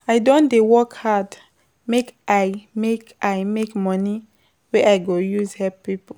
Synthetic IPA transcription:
aɪdõndewɔkhad | mekʔaɪmekaɪmekmɔni | weʔaɪɡojuzhɛppipo

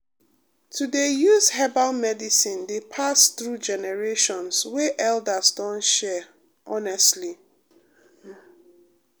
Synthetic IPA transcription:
tʰudejuzhɛbalmɛdisĩndepʰasθɹud͡ʒɛnɛɹeʃɔ̃nswɛʔɛldasdɔ̃nʃɛ | ʔɔnɛstli

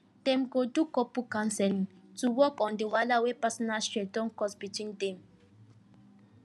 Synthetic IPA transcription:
d̥ɛ̃mɡodukɔpukãnsɛlĩŋtuwɔkɔ̃ndəwalawepasɔnasɹedɔ̃nkɔsbitĩŋdɛ̃m

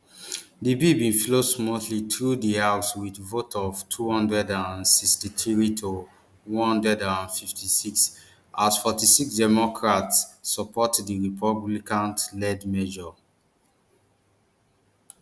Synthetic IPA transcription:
dibibĩnflosmɔtlitɹudihawswitvotʰɔvtʰuhɔ̃ndɹɛdãnsikstitʰɹitʰo | wɔ̃nhɔ̃ndɹɛdãnfiftʰisiks | ʔasfɔtisiksdɛmɔkʰɹatsːɔpɔtdiɹipʰɔblikãntlɛdmɛʒɔ

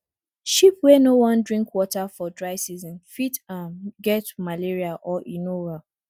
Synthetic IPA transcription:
ʃipwɛnowɔ̃ndɹĩŋkwɔtafɔdɹaɪsizɔ̃nfitãmɡɛtmaleɹiaʔɔʔinowa

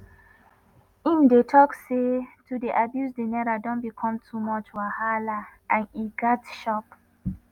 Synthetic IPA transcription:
ĩndetʰɔksetudiʔabjusdenɛɹadɔ̃nbikʰɔ̃mtʰumɔt͡ʃwahalaʔãniɡatʃɔp

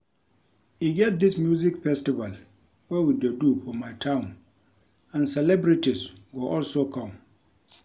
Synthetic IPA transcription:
jiɡɛt̚d̪ɪsmjuzikfɛstival | wɛwidedufɔmaɪtʰãʊ̃n | ãnsɛlɛbɾitisɡoʔɔlsokʰɔ̃m

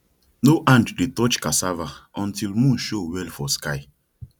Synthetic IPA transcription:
noʔãnd͡ʒdetɔt͡ʃkasavaɔ̃ntilmũnʃowɛlfɔska̰ɪ

